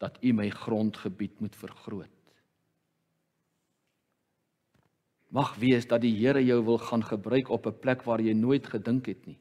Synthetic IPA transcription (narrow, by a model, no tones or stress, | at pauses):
d̥ɐtʰiməjχrɔntχəbitmutfərχruət̚ | mɐχviəsdɐt̚diɦiəɾəjœwvəlˠχɑːnχəbrœɥkɔpəplækvɑːrjəjnuəjtχədəŋkɦɛtni